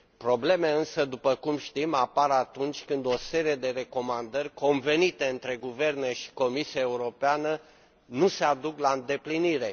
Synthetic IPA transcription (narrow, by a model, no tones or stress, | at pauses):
pɾo̞ble̞meɨnsəd̪upəkumʃt̪imapaɾat̪unt͡ʃʲkɨnd̪o̞se̞ɾije̞d̪e̞ɾe̞ko̞mand̪ərʲko̞nve̞nit̪e̞ɨnt̪ɾe̞ɡuve̞rne̞ʃi̥ko̞misiaeuɾo̞peanə | nuse̞ad̪uklaɨnd̪e̞pliniɾe̞